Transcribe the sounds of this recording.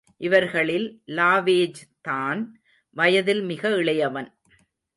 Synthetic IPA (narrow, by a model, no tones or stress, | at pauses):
ʔɪʋɐɾɣɐɭɪlːaːʋeːd͡ʒt̪aːn | ʋɐjɐðɪlmɪɣɐɪɭɐjɐʋɐn